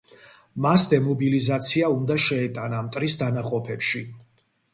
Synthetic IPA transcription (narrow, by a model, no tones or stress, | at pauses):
masd̪ɛmɔbilizat̪sʰiaund̪aʃɛɛt̪ʼanamt̪ʼɾisd̪anaqʼɔpʰɛpʃi